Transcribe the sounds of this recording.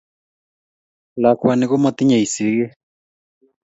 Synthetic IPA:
la˨kʰwa˨ni˨kɔ˦ma˦t̪i˦ɲa˨i˨si˨˦ɣɛ˦

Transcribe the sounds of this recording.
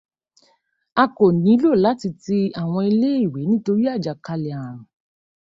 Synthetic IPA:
a˧ko˨nĩ˨˦lo˦˨la˨˦ti˧ti˧a˨w̃ɔ̃˧i˧le˦i˦˨we˨˦nĩ˦to˧ɾi˦a˦˨d͡ʒa˨ka˧le˨a˨ã˨

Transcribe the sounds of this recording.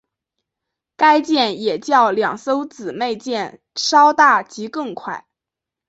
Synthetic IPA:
ka˥ɪt͡ɕjɛ˥˩njɛ˨˩t͡ɕjɑ˥˩ʊljɑ˨˩ŋso˥ʊt͡sɹ̩˨˩me˥˧ɪt͡ɕjɛ˥˩n | ʂɑ˥ʊt̪a˥˩t͡ɕi˧˥kɤ˥˩ŋkʰwa˥˩ɪ

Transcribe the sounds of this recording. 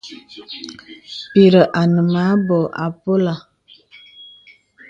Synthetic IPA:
pi˨ɾə˨ʔa˨nə˨ma˨˦bɔ˨ʔa̰˨po˦la˨

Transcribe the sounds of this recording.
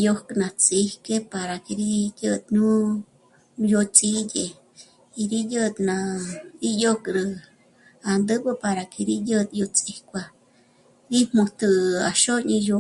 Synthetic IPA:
jo˦kʼnã˨t͡sʼi˧˦hke˦pa˨ɾa˨ke˨ɾi˦jə˧t̪̚nũ˦ | jo˧t͡sʼi˦d̪e˧ | i˧ɾi˦jə˦˧t̪na˧ɾi˦jo˦kʼɾɨ˧ | a˨nd̪ə˦bə˦pa˨ɾa˨kʰe˧ɾi˦jə˦t̪jo˧t͡sʼe˨kʷa˧ | ɾi˦mmũ˧t̪ɨ˧˨a̰˨ʃo˦ɲĩ˧jo˧

